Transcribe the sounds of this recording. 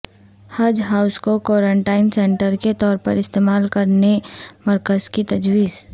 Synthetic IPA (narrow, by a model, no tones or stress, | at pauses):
haːd͡ʒɦaːʊskokɔːɾə̃ɳʈaːɪnsẽːɳʈəɾket̪ɔːɾpə̰ɾɪst̪eːmaːlkɐɾnemɐɾkəzkit̪ɐd͡ʒʋiːz